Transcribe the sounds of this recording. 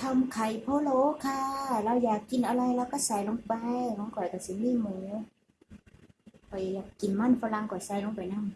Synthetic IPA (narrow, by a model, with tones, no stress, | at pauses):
t̪ʰa˧mkʰa˨˩jpʰoː˧˨loː˧˦kʰaː˧ɾa˧wjaː˨˩kːi˨nʔa˧ɾa˧jla˧wkaː˧˥˩saː˨˩jlo˧ŋpa˧˦jhɔ˧˦ŋkɔː˨˩jka˨˩si˧˦mi˧˥˨mɯː˨˦ | kʰɔ˨˩jjaː˨˩kːi˨˩nma˧˥˨nfʰa˧la˧ŋkɔː˨˩saː˨˦jlo˧˦ŋpa˨˩jna˧˥˩m